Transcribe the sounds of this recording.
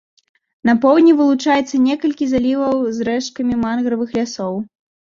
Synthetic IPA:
nɐpɔwd̪ʲnʲivɨlˠut͡ʂajɛt̪sːɐnʲɛkɐlʲkʲizalʲivɐwzɾɛʂkɐmʲimanɣɾɐvɨxlʲasɔw

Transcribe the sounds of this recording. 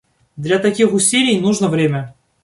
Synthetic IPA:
d̪lʲat̪ɐkʲixʊsʲilʲɪjnuʐnəvɾʲemʲə

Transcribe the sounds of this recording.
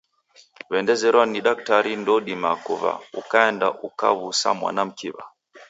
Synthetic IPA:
βɛndɛzɛɾwaniɗak̚taɾindɔɗimakuβa̰ukaɛnda̰ʔuka̰βusa̰mwa̰nam̩kiβa̰

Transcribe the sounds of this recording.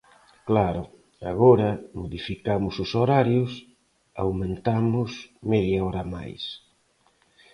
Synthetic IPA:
klaɾʊ | a̰ɣɔɾɐmoðifikamʊsʊsoɾaɾjʊs | a̰wmẽnt̪amʊsmeðjaɔɾama̰js

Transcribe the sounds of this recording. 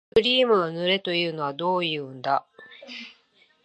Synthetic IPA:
ɯɾʲiːmɯ̟ɡanɯ̟ɾe̞t̪o̞jɯ̟ːno̞βad̪o̞ːjɯ̟ːɯnd̪a

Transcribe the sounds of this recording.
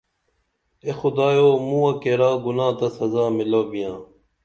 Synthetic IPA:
exʊd̪aːjoːmũːɐkeɾaːɡʊnãːt̪ɐsɐzaːmɪloːbijãː

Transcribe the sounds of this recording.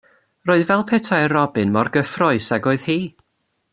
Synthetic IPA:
roːɨðvɛlˠpʰɛtʰaɨrɔbɨnmɔrɡəfrɔɨsaɡoːɨð̥hiː

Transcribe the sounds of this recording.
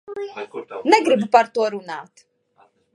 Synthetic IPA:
nɛɡɾɨbupart̪ʼɔɾuna̰ːt̪ʰ

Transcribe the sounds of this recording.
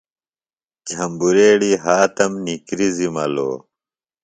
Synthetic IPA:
d͡ʑʱɐmbuɾeːɽiɦaːt̪ɐmnikɾizimɐlo̰ː

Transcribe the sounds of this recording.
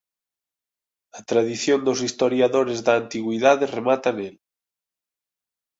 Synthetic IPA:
at̪ɾaðiθjond̪os̬ist̪oɾjaðoɾezðaːnt̪iɣwiðaðeremat̪anel

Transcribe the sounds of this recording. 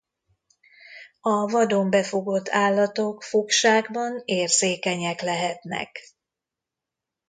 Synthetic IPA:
ɒvɒd̪ombɛfo̞ɡo̞t̪ːaːlːɒt̪o̞kfokʃaːɡbɒneːrzeːkɛɲɛklɛɦɛt̪nɛ̰k

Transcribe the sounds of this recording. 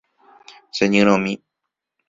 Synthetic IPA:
seɲɨ̃ɾ̃õmĩ

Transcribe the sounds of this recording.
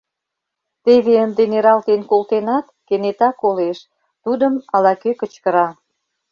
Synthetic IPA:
t̪eβeənd̪eneɾɑlt̪enkolt̪enɑt̪kenet̪ɑkoleʃ | t̪ud̪əmɑlɑkøkət͡ɕkəɾɑ

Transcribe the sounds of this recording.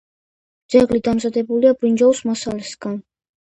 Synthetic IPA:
d̪zɛɡlid̪amzad̪ɛbuliabɾind͡ʒausmasalɛsɡ̥an

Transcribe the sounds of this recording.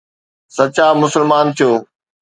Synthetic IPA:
sɐt͡ɕaːmʊsəlmaːnt̪ʰijoː

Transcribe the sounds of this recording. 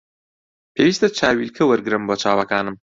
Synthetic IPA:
pʰeːwiːst̪ɐt͡ʃʰaːwilkʰɐwɐɾɡɨɾɨmboːt͡ʃʰaːwɐkaːnɨm

